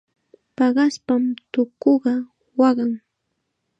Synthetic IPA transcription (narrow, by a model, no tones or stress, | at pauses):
pɑɢɑspamt̪ʊkoɢɑ | wɑɢɑŋ